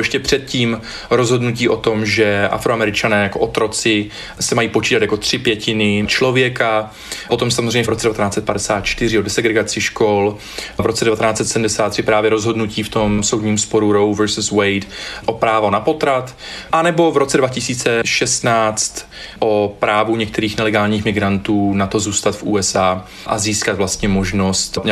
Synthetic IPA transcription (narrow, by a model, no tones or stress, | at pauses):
jɛʃcɛpr̝̥ɛt̪̚ciːm | ɾozɦo̞dnuciːʔo̞t̪o̞mʒɛʔa̰fɾoamɛɾɪt͡ʃanɛːjakoʔot̪ɾo̞t͡sɪ | sɛmajiːpot͡ʃiːt̪at̪jako̞t̪r̝̥ɪpjɛcɪnɪt͡ʃlo̞vjɛka | po̞t̪o̞msamozrɛjɲɛvɾo̞t͡sɛdɛvat̪ɛnaːt͡sɛt̪̚padɛsaːt̪̚t͡ʃt̪ɪr̝ɪodɛsɛɡɾɛɡat͡sɪʃkol | vɾo̞t͡sɛdɛvat̪ɛnaːt͡sɛt̪sɛdm̩dɛsaːt̪ːr̝̥ɪpɾaːvjɛɾo̞zɦo̞dnuciːft̪o̞mso̞wdɲiːmspo̞ɾuɾowvɛɾsuswɛjtʔopɾaːvonapo̞t̪ɾat̪ | ʔanɛbo̞vɾo̞t͡sɛdvacɪsiːt͡sɛʃɛst̪naːt͡st̪ | ʔopɾaːvuɲɛk̚t̪ɛɾiːxnɛlɛɡaːlɲiːxmɪɡɾant̪uːnat̪o̞zuːst̪at̪fʔṵːɛsʔaː | ʔaziːskat̪vlast̪ɲɛmo̞ʒno̞st̪